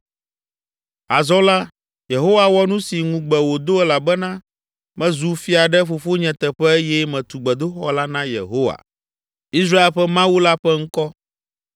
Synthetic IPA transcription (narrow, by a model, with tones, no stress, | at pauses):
a˨zɔ˦la˦ | je˨ɦo˦wa˨wɔ˦nũ˦si˨ŋũ˨ɡ͡bɛ˨wo˨d̪o˦ɛ˦la˨bɛ˦nã˦ | mɛ̃˦zu˨fi˦a˨ɖɛ˦fo˨fo˦ɲɛ̃˨t̪ɛ˨ɸɛ˦e˦jɛ˦mɛ̃˨t̪u˨ɡ͡bɛ˨d̪o˦xɔ˦la˦nã˦jḛ˨ɦo˦wa̰˨ | i˦s̬ɾa˦e˦lɸɛ˦mã˦wu˦la˦ɸɛ˦ŋ̩˦kɔ˦